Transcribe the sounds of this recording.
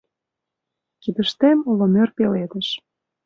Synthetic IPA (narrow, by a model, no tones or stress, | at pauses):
kid̪ə̆ʃt̪emolomørpeled̪ə̆ʃ